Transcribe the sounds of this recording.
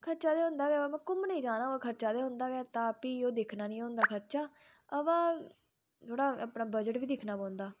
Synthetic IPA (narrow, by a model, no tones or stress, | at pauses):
kʰəɾt͡ʃaːd̪eːɦʊ̃nd̪aːɡɛːamɛ̃ːkʊmnəĩːd͡ʒãːnãːkʰəɾt͡ʃaːd̪eːɦʊ̃nd̪aːɡɛːt̪ãːpiːoːd̪ekʰnaːnĩːɦõːnd̪aːkʰəɾt͡ʃaː | əʋãː | t̪ʰoːɽaːəpnaːbəd͡ʒəʈʋiːd̪ɪkʰnaːbɔ̃ːnd̪aː